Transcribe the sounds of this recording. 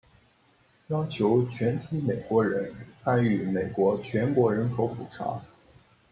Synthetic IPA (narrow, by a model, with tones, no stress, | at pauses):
jɑ˥ʊt͡ɕʰjo˧˥ʊt͡ɕʰɥɛ˧˥nt̪ʰi˧˥me˨˩ɪkwɔ˧˥ɻə˧˥nxa˥ny˧˩me˨˩ɪkwɔ˧˥t͡ɕʰɥɛ˧˥nkwɔ˧˥ɻə˧˥nkʰo˧˥ʊpu˨˩ʈ͡ʂʰa̰˧˥